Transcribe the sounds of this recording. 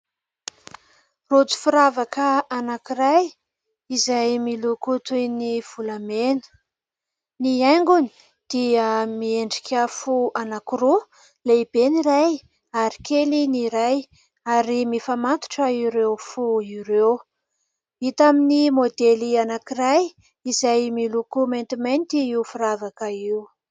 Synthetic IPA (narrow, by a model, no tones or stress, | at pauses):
rot͡su̥fuɾavakəanakiɾaj | izajmilukut̪ujniv̥ulamenə̥ | niajŋɡuni̥ | d̪̥iəmieɳɖ͡ʐikʲʰəfuanakiɾu | leib̥eniɾaj | aɾi̥keliniɾaj | aɾimifamat̪u̥ʈ͡ʂəiɾewfuiɾew | it̪aminimod̪elianakiraj | izajmilukument̪imajnt̪iiufuɾavakəiu